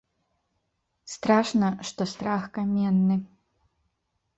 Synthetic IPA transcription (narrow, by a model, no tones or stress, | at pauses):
st̪ɾaʂnɐʂt̪ost̪ɾaxkɐmʲenːɨ